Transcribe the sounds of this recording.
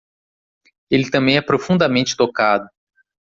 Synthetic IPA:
elɪt̪ɐ̃mbẽj̃ɛpɾofũnd̪ɐmẽnt͡ʃɪ̥t̪okad̪ʊ

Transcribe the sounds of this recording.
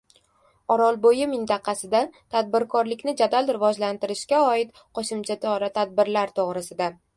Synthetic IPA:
ɒɾɒlˠbojɪmɪnt̪ɑqʰɑsɪd̪at̪ʰad̪̚bɪɾkʰɒɾlɪkʲnɪd͡ʒad̪alɾɪvɒd͡ʒlant̪ɪɾɪʃkʲaɒɪt̪ | qʰoʃɪmt͡ʃʰat̪ʰɪɒɾat̪ʰad̪̚bɪɾlaɾt̪ʰoʁɾɪsɪd̪a

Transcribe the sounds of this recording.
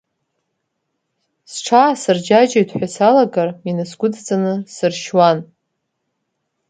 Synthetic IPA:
sʈ͡ʂʰasɨrd͡ʒad͡ʒajtʰʼħʷᶣasalaɡarminɨsɡʷʊdd͡zʼanɨsɨrʃwan

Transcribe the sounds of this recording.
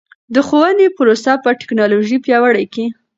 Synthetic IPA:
d̪əxowənepʊɾosapəʈɪ̥knɑloʒipjɑwəɽajke

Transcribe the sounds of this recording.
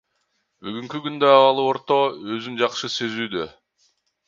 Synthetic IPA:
byɡyŋkykynd̪øɑwɑlˠuo̞ɾt̪oøzymd͡ʒɑqʃɯse̞zyːd̪ø

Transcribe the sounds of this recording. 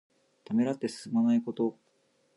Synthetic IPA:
t̪ame̞ɾat̪ːe̞sɨ̥sɨmanaiko̞t̪o̞

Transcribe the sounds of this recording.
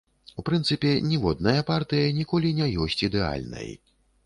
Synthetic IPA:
upɾɨnt̪sɨpʲɛnʲivɔd̪̚nɐjɐpart̪ɨjɐnʲikɔlʲinʲɛjɔsʲt͡sʲid̪ɛa̰lʲnɐ̰j

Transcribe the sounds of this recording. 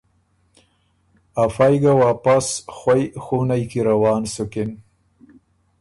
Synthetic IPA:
afajɡawapasxwajxunajkiɾawɑːnsʊkɪn

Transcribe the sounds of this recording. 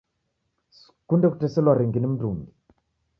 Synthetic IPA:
kundɛku̥tɛsɛlwaɾiŋɡinim̩dumi

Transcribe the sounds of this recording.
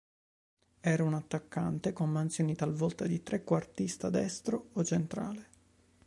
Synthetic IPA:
ɛːɾaunat̪ːakːant̪ekomːant̪sjoːnit̪alvɔlt̪ad̪it̪ɾekːwart̪ist̪ad̪ɛst̪ɾoot͡ʃːent̪ɾa̰ːle

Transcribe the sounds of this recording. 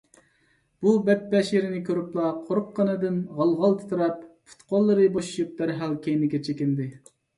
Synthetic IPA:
b̥ubɛp̚ːɛʃeɾɪnɪkʲʰøɾyplˠɑqʰoɾqːɑnɨd̪ɨnʁɑlˠʁɑlˠt̪ʰɨ̥t̪ʰuɾɑppʰu̥t̪qʰolˠːɨɾɨboʃu̥ʃup̚d̪̥æɾɦælkʲʰejnɪkʲɛt͡ʃʰekʲind̪ɪ

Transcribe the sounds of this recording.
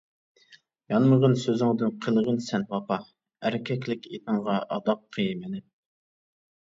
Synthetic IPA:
jɑnməʁənsøzɪŋd̪ɪnqʰəlˠʁənsɛnwɑpɑ | æɾɪkʲʰɛkʲlɪkʲet̪ʰɨŋʁɑʔɑd̪ɑp̚qʰəjmɪnɪ

